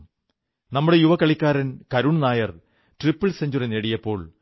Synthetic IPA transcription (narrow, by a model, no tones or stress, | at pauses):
nɐmːuɽe̞juʋɐkɐɭikʲːaːɾɐnkɐɾuɳnaːjɐr | ʈripːɐɭseɲd͡ʑurineɽijɐpːo̞ːɭ